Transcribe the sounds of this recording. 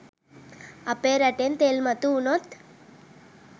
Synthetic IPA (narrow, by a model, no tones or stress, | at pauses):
ɐpeɾɐʈent̪elmɐt̪uunot̪